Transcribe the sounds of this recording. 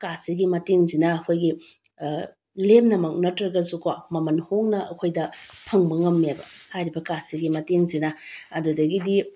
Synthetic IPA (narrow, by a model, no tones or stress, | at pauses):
kasiɡimɐteŋzinɐːkʰojɡi | lemnɐmɐk̚nɐtɾɐɡɐzukwamɐmɐnhoŋnɐʔɐkʰojdɐpʰɐŋbɐŋɐmːebɐhajɾibɐkasiɡimɐteŋzinɐɐdudɐɡidi